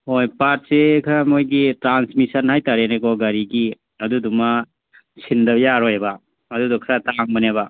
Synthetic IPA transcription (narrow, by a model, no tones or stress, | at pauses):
hojpat̚sekʰaɾamojɡitɾansmisɐnhajtaɾeneɡɔɡɐɾiɡi | ɐduduma | sʰindɐjaɾɔjba | ɐdudɔkʰɾataŋmɐneβa